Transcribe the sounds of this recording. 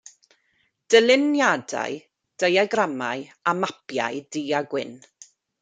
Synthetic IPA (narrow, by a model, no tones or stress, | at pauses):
d̥əlˠɪnjada̰ɨ | d̥ejaɡramajamapʰja̰jdiaɡwɪ̰n